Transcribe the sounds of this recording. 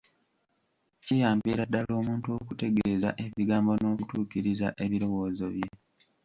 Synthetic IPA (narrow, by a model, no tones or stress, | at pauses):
cijaːmbiːɾadːalo̞ːmuːntuo̞kute̞ɡezaʔe̞βiɡaːmbo̞no̞ːkutuːkiɾizaʔe̞βiɾo̞wo̞ːzoβje̞